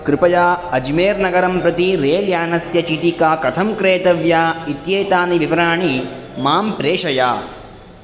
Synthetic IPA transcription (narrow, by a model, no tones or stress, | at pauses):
kɾɪpɐjaːɐd͡ʒmeːɾnɐɡɐɾɐmpɾɐt̪iɾeːljaːnɐsjɐt͡ʃit̪ikaːkɐt̪ʰɐmkɾeːt̪ɐʋjaːit̪jeːt̪aːniʋiʋɾaːɳi | maːmpɾeːʂɐjaː